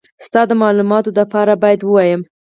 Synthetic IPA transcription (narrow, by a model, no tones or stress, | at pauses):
st̪ɑd̪əmɑlumɑt̪oləpɑɾabɑjad̪wəwɑjəm